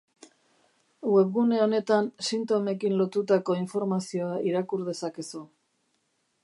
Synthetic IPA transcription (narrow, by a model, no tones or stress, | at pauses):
we̞βɣune̞o̞ne̞t̪ansint̪o̞me̞kinlo̞t̪ut̪ako̞iɱfo̞ɾmasio̞aʔiɾakuɾðe̞sake̞su